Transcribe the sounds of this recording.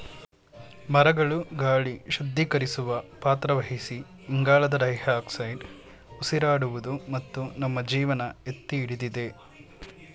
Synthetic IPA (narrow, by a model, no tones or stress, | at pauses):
mɐɾɐɡɐɭuɡaːɭiʃɐd̪ʱːikɐɾisuʋɐpaːt̪ɾɐʋɐɦisiː | ŋɡaːɭɐd̪ɐɾɐjhaːksɐjɖ | usiɾaːɽuʋud̪umɐt̪ːunɐmːɐd͡ʒiːʋɐnɐet̪ːiːɽid̪id̪e̞